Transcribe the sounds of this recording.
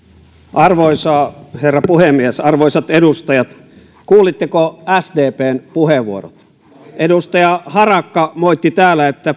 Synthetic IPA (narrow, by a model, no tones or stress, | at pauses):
ʔɑrʋoisɑːherːɑpuhemːiesɑrʋoisɑt̪edust̪ɑjɑt̪ | kuːlit̪ːekoæsdeːpeːnpuheʋːuoro̰t̪ | ʔedust̪ɑjɑhɑrɑkːɑmoit̪ːit̪æːlːæet̪ːæ